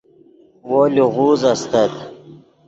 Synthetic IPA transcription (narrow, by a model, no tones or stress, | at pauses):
woːluʁuːzɐst̪ɐt̪